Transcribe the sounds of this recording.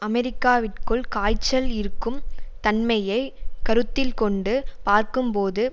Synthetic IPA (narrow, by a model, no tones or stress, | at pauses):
ɐmɛɾɪkːaːʋɪʈkɯɭkaːjt͡ʃːɐlɪɾɯkːɯmt̪ɐnmɐjɐɪkɐɾɯt̪ːɪlkɔɳɖɯpaːɾkɯmpoːðɯ